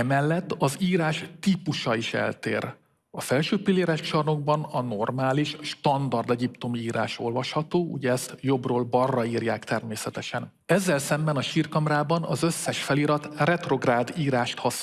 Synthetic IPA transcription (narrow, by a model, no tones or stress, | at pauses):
ɛmɛlːɛt̪ːɒziːɾaːʃt̪iːpuʃɒiʃɛ̰lt̪ḛːr | ɒfɛlʃøːpilːeːɾɛʃt͡ʃɒrno̞ɡ̚bɒnɒno̞rmaːliʃʃt̪ɒnd̪ɒrd̪ɛɟipt̪o̞miiːɾaːʃo̞lvɒʃhɒt̪oːʔṵɟɛɛst̪jo̞broːlbɒrːɒiːrjaːkt̪ɛrmeːsɛt̪ɛʃɛn | ɛzːɛlsɛmbɛnɒʃiːrkɒmraːbɒnɒzø̞sːɛʃfɛliɾɒt̪rɛt̪ro̞ɡraːd̪iːɾaːʃt̪hɒs